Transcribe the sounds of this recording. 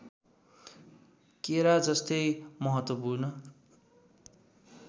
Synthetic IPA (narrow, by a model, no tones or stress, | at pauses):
keɾad͡zʌst̪ʌjmʌɦʌt̪wʌpurnʌ